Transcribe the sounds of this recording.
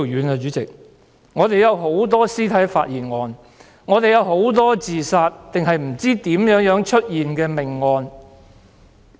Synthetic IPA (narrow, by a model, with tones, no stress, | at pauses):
jyː˨˥na˧t͡ʃyː˨˥t͡sɪ˨k̚ | ŋɔː˨˧t̪e˨jɐ˨˧wɦo˨˥wt̪ɔː˥siː˥t̪ʰɐ˨˥jfa̰ː˧t̚jiː˨˩nŋɔː˧n | ŋɔː˨˧t̪e˨jɐ˨˧wɦo˨˥wt̪ɔː˥t͡siː˨saː˧t̚t̪ɪ˨ŋɦɐ˨jm̩˨˩t͡siː˥t̪iː˨˥mjœː˨˥ŋjœː˨˥ŋt͡ʃʰɵ˥t̚jiː˨nkɛː˧mɪ˨˩ŋːɔː˧n